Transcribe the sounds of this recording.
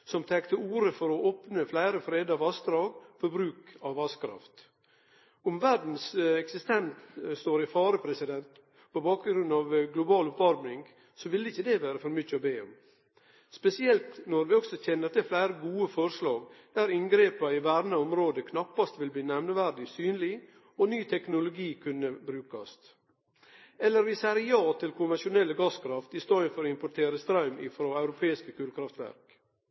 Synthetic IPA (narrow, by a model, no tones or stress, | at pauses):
sɔmt̪ʰɛkt̪əuːɾəfɔɾɔʔoːpnəflæɪɾəfɾeːd̪ɑʋɑsd̪ɾɑːɡfɔɾbɾʉːkɑʋɑskʰɾɑ̰ft̪ | ʊmʋæɾɖn̩sɛksɪst̪ɛnt̪st̪oːɾɪfɑːɾəpʰɾɛsɪd̪ɛnt̪ | pʰɔbɑːkɡɾʉnːɑʋɡlʊbɑːlʊpɑɾmnɪŋ | sɔʋɪlːəɪçːəd̪ɛʋæːɾəfɔɾmʏçːəɔbeːɔ̰m | spɛsɪɛlt̪nɔɾʋɪɔɡsɔçɛnːəɾt̪ɪflæɪɾəɡuːəfɔɾʂɭɑːɡd̪̥æɾɪŋɡɾeːpɑɪʋæɾnəɔmɾoːd̪əkʰnɑpːɑst̪ʋɪlbliːnɛʋnəʋæɾɖɪsyːnlɪ | ɔnyːt̪ʰɛknʊlʊɡiːkʰʉnːəbɾʉːkɑst̪ | ɛlːəɾʋɪsæːɾjɑːt̪ʰɪlkʰʊnʋɛnʂʊnɛlːəɡɑskʰɾɑft̪ɪst̪oːənfɔɾɔɪmpʊʈʰeːɾəst̪ɾɑʉmɪ̰fɾoːɑʉɾʊpʰeːɪskəkʰʉːlkʰɾɑft̪ʋæ̰ɾk